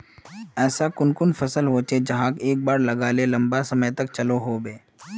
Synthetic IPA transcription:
ɛːsakʊnkʊnfɐsəlɦoːt͡ʃed͡ʒɐɦãːkeːk̚baːɾlɐɡaːlelɐ̃mbasɐməjt̪ɐk̚t͡ʃɐloɦoːbeː

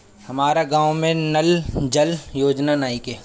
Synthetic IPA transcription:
hɐmaːɾaɡãːwmẽnɐld͡ʒɐljoːd͡ʒnanaːikeː

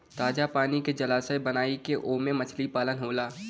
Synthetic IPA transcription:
t̪aːd͡ʒapaːniked͡ʒɐlaːsəbənaːikeʔoːmẽmət͡ʃʰlipaːlənɦoːlaː

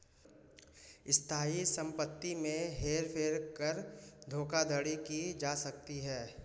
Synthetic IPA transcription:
ɪst̪ʰaːisɐ̃mpət̪ːimẽɦeːɾpʰeːɾkəɾd̪ʱoːkad̪ʱəɽikid͡ʒaːsɐk̚t̪iɦɛː

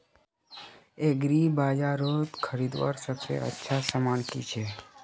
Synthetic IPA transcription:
eɡɾibad͡ʒaɾot̪kʰəɾid̪ʋa̰ɾsəkʃḛʔə̰tːʃʰasəmaɳkḭt͡ʃʰe

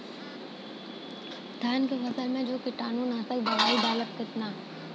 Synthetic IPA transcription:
d̪̥ʱjaːnkefɐsəlmẽd͡ʒoːkɪʈaːnuːnaːsəkbɐʋaːibaːləkkɪt̪naː

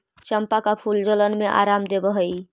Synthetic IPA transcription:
t͡ʃəmpakapʰuld͡ʒələnmeʔa̰ɾamd̪ebəɦəj

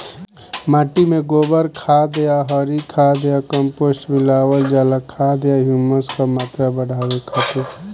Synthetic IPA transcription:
maːʈimẽɡoːbəɾkʰad̪ejaɦɔɾikʰad̪ejakəmpoːsʈmɪlaːwəld͡ʒalakʰad̪jaɦjuːməskamaːt̪ɾabəɽ̤ʱaːwekʰat̪e

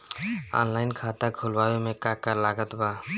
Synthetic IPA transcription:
ɔ̰nlajnkʰat̪akʰulbawemẽkãkəɾlaɡət̪ba

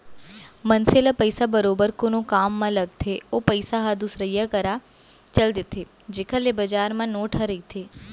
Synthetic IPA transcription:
mənselapəjsabəɾoːbəɾkonõkaːmːãləɡ̚t̪ʰeopəjsaɦad̪usɾəjakəɾa | t͡ʃəld̪et̪ʰe | d͡ʒekʰalebəd͡ʒaːɾmãnoːʈʰaɾəit̪ʰe

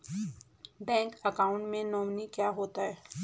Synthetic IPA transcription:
bɛ̃ːŋkɐkaːʊ̃ɳʈmẽnɔːmnikjaːɦoːt̪aɦɛː

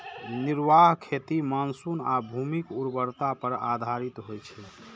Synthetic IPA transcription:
niɾʋaɦkʰet̪imansunabʱumikuɾbəɾt̪apəɾa̰d̪ʱaɾit̪ɦojt͡ʃʰɛ

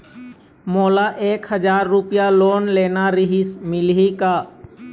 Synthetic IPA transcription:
moːlaʔeːkhəd͡ʒaːɾːʊpɪjaloːnleːnaɾɪɦɪsmɪlɦikaː

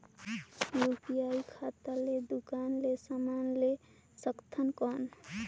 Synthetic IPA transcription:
ɾupijaikʰat̪aled̪ukanlesamanle | səkt̪ʰənkɔn

